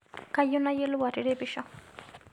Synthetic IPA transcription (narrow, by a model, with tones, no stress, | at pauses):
ka˦jʊ˦na˦je˦lʊ˦wa˨ɾɪɾe˦bɪʃa˦